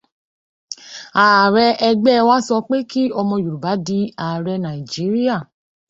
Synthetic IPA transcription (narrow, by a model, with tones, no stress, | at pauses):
a˨ɾɛ˧ʔɛ˧ɡ͡bɛ˦˧wa˦sɔ˧k͡pe˦ki˦ɔ˧mɔ̃˧ju˨ɾu˨ba˨˦di˧˦a˨ɾɛ˧nã˨i˨d͡ʒi˨˦ɾi˦a˦˨